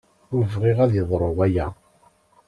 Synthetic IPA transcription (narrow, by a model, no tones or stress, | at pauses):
nəvʁeʁæðjəðˤɾˤoʁæjæ